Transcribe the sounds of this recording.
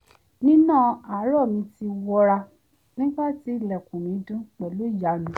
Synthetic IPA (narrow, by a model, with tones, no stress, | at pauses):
nĩ˦nãː˦˨a˨˦ɾɔ˦˨mĩ˧ti˧wɔ˧ɾa˧ | nĩ˦ɡ͡ba˦˨ti˨˦i˦˨lɛ˨kũ˨nĩ˨˦dũ˦k͡pɛ˨lo˨˦d͡ʒa˨˦nĩ˨˦